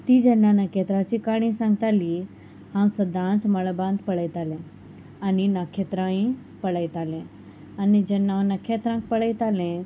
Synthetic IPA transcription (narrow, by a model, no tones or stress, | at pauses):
t̪iːd͡ʑənːanəket̪ɾat͡ɕikaɽ̃ĩsãŋɡt̪ali | hãwsəd̪ʱãnt͡sməɭbãnd̪pəɭəjt̪alẽ | aninakʰːet̪ɾãĩ | pəɭəjt̪alẽ | anid͡ʑənːawnəkʰet̪ɾãŋk̚pəɭəjt̪alẽ